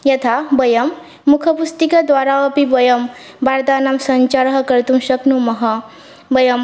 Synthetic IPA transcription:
jɐt̪ʰabəjəmː | ukʰəpust̪ikad̪ʋaɾaəpibəjəm | baɾd̪anamsɐɲt͡ʃaɾɦkəɾt̪ũnɕɐknũmɐɦɐ | bəjəm

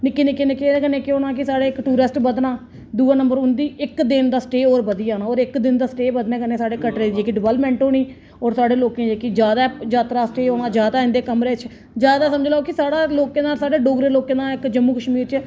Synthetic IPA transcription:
nɪkːiːnekːɪnekeːeːkəneːkɪoːnaːkɪsaːɖeːɪkʈuːɾɪsʈbəd̪naː | d̪uːaːnəmbəɾʊnd̪iːʔɪkd̪ɪnd̪aːsʈeːɔːɾbəd̪ijaːnaːɔːɾɪkd̪ɪnd̪aːsʈeːbəd̪neːkəneːsaːɖeːkəʈɾeːd͡ʒeːkiɖɪʋɛːlpmɛ̃ːɳʈɦoːniː | ɔːɾsaːɖeːloːkẽːd͡ʒeːkɪd͡ʒjaːd̪aːd͡ʒaːt̪ɾaːsʈeːɦoːnãːd͡ʒjaːd̪aːɪ̃nd̪eːkəmɾeːt͡ʃʰ | d͡ʒjaːd̪aːsəməd͡ʒlaːokɪsaːɽaːloːkẽːd̪ãːsaːɖeːɖoːɡɾeːloːkẽːd̪ãːɪkd͡ʒəmːũːkəʃmiːɾt͡ʃə

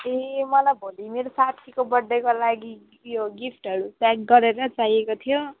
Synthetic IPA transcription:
emʌlajbʱolimeɾosat̪ʰikobʌɖːekolaɡi | joɡipʰʈɦʌɽutak̚ɡʌɾeɾʌt͡saɦiekot̪ʰijo

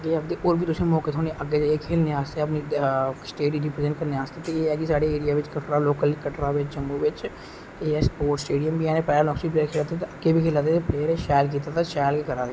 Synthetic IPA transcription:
ɡeəkd̪eʔoːɾbʱiːt̪ʊsẽːmɔːket̪ʰoːneʔəɡed͡ʒaːekʰeːlneaːst̪eəpnisʈeːɖiɾɪpɾezẽɳʈkəɾneaːst̪et̪eeːɛːkisaːɽeeːɽijaːʋɪt͡ʃkəʈɾaːloːkəlkəʈɾaːʋɪt͡ʃt͡ʃəmːuʋɪt͡ʃ | eːɛspoːɾʈsʈeːɖijəmbʱiɛ̃ːnẽpɛːlalɔːksiːp̬leːəɾkʰeːlaːt̪et̪eəɡebiːkʰeːlaːt̪̬et̪epleːəɾeʃaːlk̬iːt̪aːt̪aʃaːlkekəɾaːd̪e

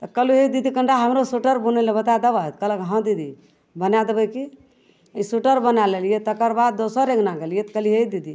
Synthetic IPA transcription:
t̪əkəluɦed̪id̪ikəɳɖaɦəmɾosuʈəɾbunelebət̪ad̪əbət̪kələkɦãd̪id̪i | bənad̪ebəki | isuʈəɾbənalelijet̪əkəɾbad̪̚ːosəɾẽɡnaɡelijet̪kəliɦeid̪id̪i

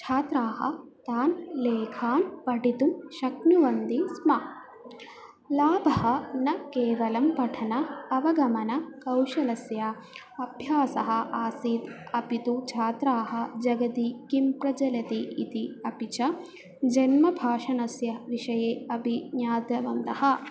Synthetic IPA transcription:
t͡ʃʰaːt̪ɾaːɦɐ̰t̪aːnleːkʰaːnpɐɖit̪umʃɐknuʋɐnd̪ismɐ | laːbʱɐɦɐnɐkeːʋɐlɐmpɐʈʰɐnɐɐʋɐɡɐmɐnɐkɐwʃɐlɐsjɐ | ɐbʱjaːsɐɦɐ̆ʔaːsiːt̪ɐpit̪ut͡ʃʰaːt̪ɾaːɦɐ̆d͡ʒɐɡɐt̪ikimpɾɐd͡ʒɐlɐt̪iʔit̪iɐpit͡ʃɐ | d͡ʒɐnmɐbʱaːʃɐnɐsjɐʋiʃɐjeːɐbʱiɲjaːd̪ɐʋɐnt̪ɐhɐ̆

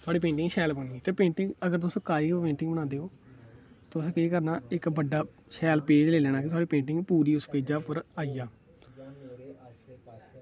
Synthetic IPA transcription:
t̪ʊaːɖiːpẽːɳʈɪ̃ŋɡʃɛːlbəniːt̪eːpẽːɳʈɪ̃ŋɡəɡəɾt̪ʊsõːkaːiːkopẽːɳʈɪ̃ŋɡbənãːnd̪eːoː | t̪oʊsẽːkeiːkəɾnaːɪkbəɖːaː | ʃɛːlpeːd͡ʒleːlɛːɽ̃aːkɪt̪ʊaːɖiːpẽːɳʈɪŋɡpuːɾiːʊspeːd͡ʒaːpəɾaːiːjaː

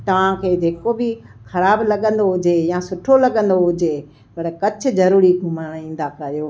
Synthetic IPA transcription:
t̪ɐʋ̤ãkʰeːd͡ʑeːkobɪxɐɾaːblɐɠə̃nd̪oɦʊd͡ʑejaːsʊʈʰolɐɠə̃nd̪oɦʊd͡ʑe | pɐɽkɐt͡ɕʰʊ̆zɐɾuːɾiɡʱʊmaːɽ̃ĩːn̆d̪akɐjoː

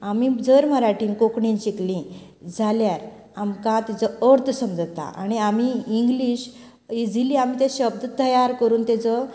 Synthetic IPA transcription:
amid͡zəɾm̤əɾaʈiːnkokɳĩt͡ɕiklĩ | d͡zʱaljaɾ | amkãt̪ed͡zəəɾt̪ʰsəmd͡zət̪a̰ʔa̰ñiamiiŋɡliɕ | id͡ziliːam̤it̪ẽɕəb̚d̪ʱt̪əjaɾkəɾuːnt̪ɛt͡sɔ

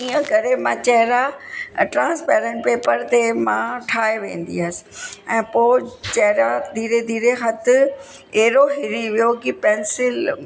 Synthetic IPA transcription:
iːə̃kɐɾemãt͡ɕɐɦɪɾaʈɾãːnspɛːɾẽɳʈpeːpəɾt̪emãʈʰaːeʋḛ̃ːn̆d̪ḭəs̆ɛ̃ːpoːt͡ɕɛɦɪɾad̪ʱiːɾed̪ʱiːɾexɐt̪̆ʰ | eɾoɦɪɾiʋijokipɛːnsɪl

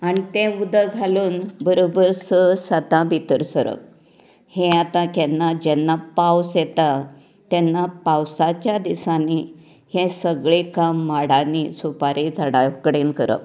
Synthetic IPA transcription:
añit̪ẽud̪ʱəɡʱaluːnbəɾobəɾsəsət̪ãbʱit̪əɾsəɾə̰ | hẽat̪ãkɛnːad͡ʑɛnːapawsjɛt̪a | t̪ɛnːapawsat͡ɕjad̪isani | hẽsəɡɭekamːaɽanisupaɾid͡zʱaɽakəɽenkəɾə̰

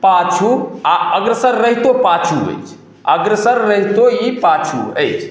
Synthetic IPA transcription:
pat͡ʃʰuaəɡɾəsəɾːəɦit̪opat͡ʃʰuə̰jt͡ʃʰ | əɡɾəsəɾːəɦit̪oipat͡ʃʰṵə̰jt͡ʃʰ

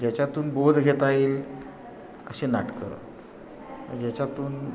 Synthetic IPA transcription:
d͡ʑat͡ɕat̪uːnbod̪ʱɡʱet̪aiːl | ə̰ɕenaʈkə̰ː | d͡ʑat͡ɕat̪uːn

